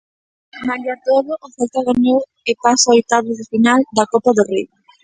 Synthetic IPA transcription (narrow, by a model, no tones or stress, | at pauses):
maʎat̪oðʊʔːθɛlt̪aɣaɲow | epasaoet̪aβoðefinald̪akopaðori